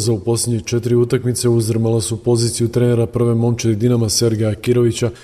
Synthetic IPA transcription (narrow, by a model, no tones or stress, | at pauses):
zaupo̞slʲedɲet͡ʃe̞t̪iɾiut̪akmit̪se̞uzr̩malasupo̞ziːt̪sijut̪ɾeːne̞ɾapr̩ʋe̞mo̞mt͡ʃeɾid̪inamase̞ɾɡeakiɾo̞ʋit͡ɕa